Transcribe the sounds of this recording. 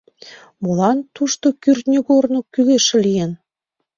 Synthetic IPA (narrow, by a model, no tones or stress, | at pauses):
molɑnt̪uʃt̪okyrt̪nʲeɣornokyleʃĕlijen